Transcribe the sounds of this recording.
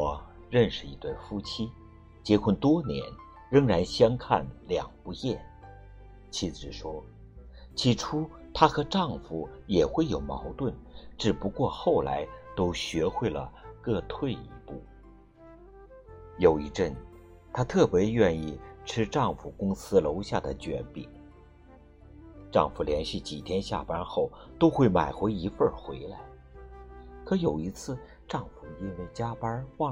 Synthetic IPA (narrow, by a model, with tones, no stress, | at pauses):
wɔ˨˩ | ɻə˥˧nʂɻ̩˥˩i˧˥t̪wa˥˩nfu˥t͡ɕʰi˥ | t͡ɕjɛ˧˥kʰə˥˩nt̪wɔ˥njɛ̰˧˥n | ɻə˧˥ŋɻa˧˥nɕjɑ˥ŋkʰa̰˥˩nljɑ˨˩ŋpu˧˥jjɛ˥˩n | t͡ɕʰi˧˥t͡sɹ̩˨˩ʂwɔ˥ | t͡ɕʰi˧˥ʈ͡ʂʰu˥ | t̪ʰa˥xɤ˧˥ʈ͡ʂɑ˥˩ŋfu˨˩jɛ˨˩xwe˥˩ɪjo˨˩ʊmɑ˧˥ʊt̪wə˥˩nʈ͡ʂɻ̩˨˩pu˧˥kwɔ˥˧xo˥˩ʊla̰˧˥ɪt̪o˥ʊɕɥɛ˧˥xwe˥˩ɪlə̰˩kɤ˥˧t̪ʰwe˥˩ɪḭ˧˥pṵ˥˩ | jo˨˩ʊi˥˧ʈ͡ʂə˥˩n | t̪ʰa˥t̪ʰɤ˥˩pjɛ˧˥ɥɛ˥˧ni˥˩ʈ͡ʂʰɻ̩˥ʈ͡ʂɑ˥˩ŋfu˨˩kʊ˥ŋsɹ̩˥lo˧˥ʊɕja˥˩d̪ə˩t͡ɕɥɛ̰˧˥npḭ˨˩˦ŋ | ʈ͡ʂɑ̰˥˩ŋfu˨˩ljɛ˧˥nɕi˥˩t͡ɕi˨˩t̪ʰjɛ˥nɕja̰˥˩pa˥xo˥˩ʊt̪o˥ʊxwe˥˩ɪma˨˩ɪxwe˧˥ɪi˧˥fə˞˥˩xwe˧˥ɪla˧˥ɪ | kʰɤ˧˥jo˨˩ʊi˧˥t͡sʰɹ̩˥˩ | ʈ͡ʂɑ˥˩ŋfu˨˩i˥nwe˥˩ɪt͡ɕja˥pa˥wɑ˥˩